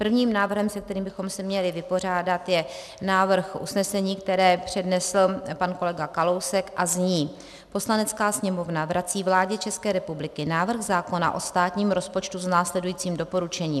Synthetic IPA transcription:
pr̩vɲiːmnaːvr̩ɦɛmsɛk̚t̪ɛɾiːmbɪxo̞msɛmɲɛlɪvɪpo̞r̝aːdat̪jɛ | naːvr̩xʔusnɛsɛɲiːkt̪ɛɾɛːpr̝̥ɛdnɛsl̩panko̞lɛɡakalo̞wsɛkʔazɲiː | po̞slanɛt͡skaːsɲɛmo̞vnavɾʔat͡siːvlaːɟɛt͡ʃɛskɛːɾɛpublɪkɪnaːvr̩ɣzaːko̞na̰ʔo̞st̪aːt̪ɲiːmɾo̞spo̞t͡ʃt̪usnaːslɛdujiːt͡siːmdo̞po̞ɾut͡ʃɛɲiːm

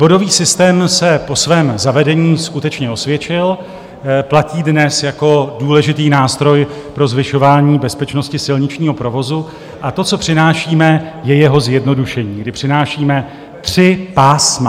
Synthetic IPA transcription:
b̥o̞do̞viːsɪst̪ɛːmsɛpo̞svɛːmzavɛdɛɲiːskut̪ɛt͡ʃɲɛo̞svjɛt͡ʃɪl | placiːdnɛsjako̞duːlɛʒɪt̪iːnaːst̪ɾo̞j | pɾo̞zvɪʃo̞vaːɲiːbɛspɛt͡ʃno̞scɪsɪlɲɪt͡ʃɲiːɦo̞pɾo̞vo̞zu | ʔat̪o̞t͡so̞pr̝̥ɪnaːʃiːmɛjɛjɛɦo̞zjɛdno̞duʃɛɲiːɡdɪpr̝̥ɪnaːʃiːmɛ | t̪r̝̥ɪpaːsma

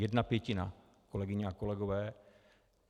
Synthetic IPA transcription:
jɛdnapjɛcɪna̰ | ko̞lɛɡɪɲɛako̞lɛɡovɛː

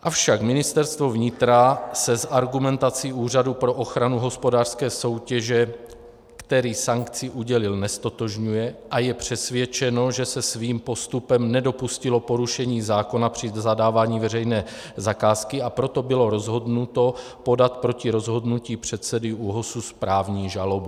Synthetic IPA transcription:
ʔafʃakmɪnɪst̪ɛɾst̪vo̞vɲɪt̪ɾasɛzaɾɡumɛnt̪at͡siʔuːr̝adupɾo̞ʔo̞xɾanuɦo̞spo̞daːr̥skɛːso̞wcɛʒɛ | kt̪ɛɾiːsaŋkt͡sɪʔuɟɛlɪlnɛst̪o̞t̪o̞ʒɲujɛʔajɛpr̝̥ɛsvjɛt͡ʃɛno̞ʒɛsɛsviːmpo̞st̪upɛmnɛdo̞puscɪlo̞po̞ɾuʃɛɲiːzaːko̞napr̥ɪzadaːvaːɲiːvɛrɛjnɛː | zakaːskɪapɾo̞t̪o̞bɪlo̞ɾo̞zɦo̞dnut̪o̞ | po̞dat̪pɾo̞cɪɾo̞zɦo̞dnuciːpr̝̥ɛt̪sɛdɪʔuɦosuspɾaːvɲiːʒalobu

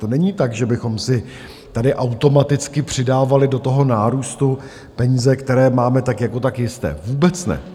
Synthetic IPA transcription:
t̪o̞nɛɲiːt̪aɡʒɛbɪxo̞msɪ | t̪adɪʔawt̪o̞mat̪ɪt͡skɪpr̝̥ɪdaːvalɪdo̞t̪o̞ɦo̞naːɾuːst̪u | pɛɲiːzɛkt̪ɛɾɛːmaːmɛt̪akjako̞t̪akjɪst̪ɛ̰ːvuːbɛt͡snɛ̰

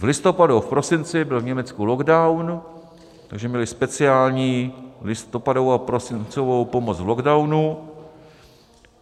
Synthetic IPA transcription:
vlɪst̪o̞padufpɾo̞sɪnt͡sɪbɪlvɲɛmɛt͡skuloɡdawn | t̪aɡʒɛmɲɛlɪspɛt͡sɪaːlɲiːlɪst̪opadovoapɾosɪnt͡sovowpo̞mot͡svloɡdawnu

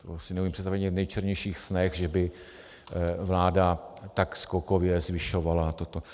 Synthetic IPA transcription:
t̪osɪnɛumiːmprɛt̪st̪avɛɲɛvnɛjt͡ʃɛɾɲɛjʃiːxsnɛxʒɛbɪ | vlaːdat̪akskokovjɛzvɪʃo̞valat̪ot̪o

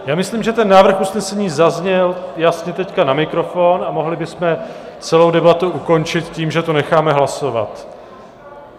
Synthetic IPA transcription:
jaːmɪsliːmʒɛt̪ɛnːaːvr̩xusnɛsɛɲiːzazɲɛljasɲɛt̪ɛckanamɪkɾo̞fonamo̞ɦlɪbɪsmɛt͡sɛlo̞wdɛbat̪uuko̞nt͡ʃɪt̪ciːmʒɛt̪onɛxaːmɛɦlaso̞va̰t̪

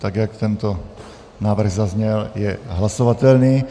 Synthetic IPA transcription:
t̪aɡjakt̪ɛnt̪ɔ | naːʋr̩ɣzazɲɛljɛɦlasɔʋat̪ɛlniː

